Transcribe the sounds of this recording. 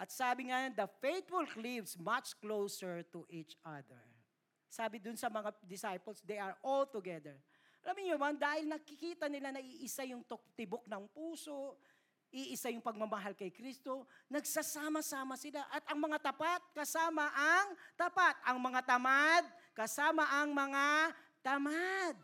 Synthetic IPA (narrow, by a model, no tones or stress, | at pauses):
ʔɐt̪̚saːbɪŋɐjond̪ɐfejt̪fʊlklivsmɐt͡ʃklowsəɹt̪ʊʔit͡ʃʔad̪ɛ̰ɹ | saːbɪd̪ʊnsɐmɐŋad̪ɪsajpɛlsd̪ɛjɐɹʔɔlt̪ʊɡɛd̪ɛɹ | ɐlamɪŋobɐnd̪aːhɪlnɐkɪkiːt̪ɐnɪlanɐʔiʔɪsajʊŋt̪ok̚t̪ɪbok̚nɐŋpuːso̞ʔ | ʔiʔɪsajʊŋpɐɡ̚mɐmɐɦalkɐjkɾist̪o̞nɐɡsasaːmɐsaːmɐsɪlaʔɐt̪ʔɐŋmɐŋat̪ɐpat̪̚kɐsaːmɐʔɐŋt̪ɐpat̪ɐŋmɐŋat̪ɐmad̪̚kɐsaːmɐʔɐŋmɐŋa | t̪ɐmad̪̚